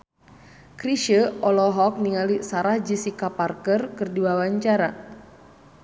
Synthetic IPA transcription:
kɾiʃəɔlɔɦɔk̚niŋalisaɾahd͡ʒisikaparkərkərdiwawaɲt͡ʃaɾa

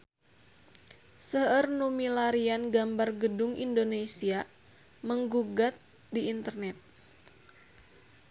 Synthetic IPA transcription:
səərnumilaɾianɡambarɡədʊŋḭndonesia | məŋɡuɡat̪̚ | diːnt̪ərnɛt̪̚

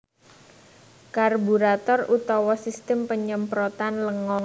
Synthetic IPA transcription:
karbuɾat̪ɔrut̪ɔwɔsist̪əmpəɲəmpɾɔt̪anləŋɔŋ

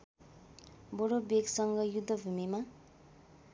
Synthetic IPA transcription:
boɾobeksʌŋɡʌjud̪ʱːʌbʱumima

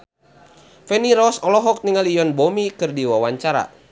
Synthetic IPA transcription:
fɛniɾɔsɔlɔɦɔk̚niŋalijɔnbɔmikɨrdiwawaɲt͡ʃaɾa̰

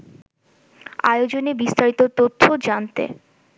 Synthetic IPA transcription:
a̰eod͡ʑonebist̪aɾit̪ot̪ot̪ʰːod͡ʑant̪ḛ

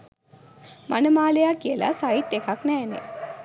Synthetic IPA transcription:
mʔanəmaːlejakiəla̰sait̪ːekaknɛːnḛ

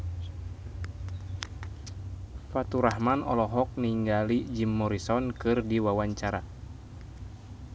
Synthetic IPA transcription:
fat̪uɾahmanɔ̰lɔɦɔk̚niŋɡalid͡ʒimːɔɾisɔnkɨrdiwawaɲt͡ʃaɾa

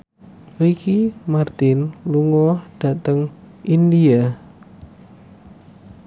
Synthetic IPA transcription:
rikimart̪ɪnluŋɔhɖ̥a̤t̪əŋ | ʔindia

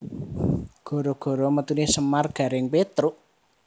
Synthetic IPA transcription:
ɡ̥o̤ɾɔɡ̥ɔ̤ɾɔmət̪unisəmarɡ̥ä̤ɾɪŋpet̪ɾʊʔ

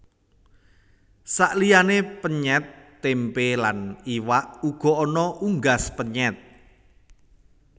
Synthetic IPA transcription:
saʔlijanepəɲɛt̪ː | empelaniwaʔuɡ̥ɔ̤ɔnɔʔuŋɡaspəɲɛt̪̚

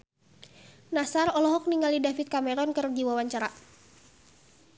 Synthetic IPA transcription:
nasarɔlɔɦɔk̚niŋalidafit̪̚kamɛɾɔnkərd͡ʒiwawaɲt͡ʃaɾa

